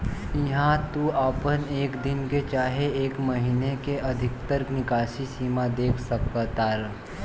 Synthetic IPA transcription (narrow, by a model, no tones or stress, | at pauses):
ɪɦãt̪uapəneːkd̪ɪnket͡ʃaːɦeeːkməɦiːnekeʔɐd̪ʱɪk̚t̪əɾknɪkaːʃisiːmad̪eːkʰsəkət̪aːɾ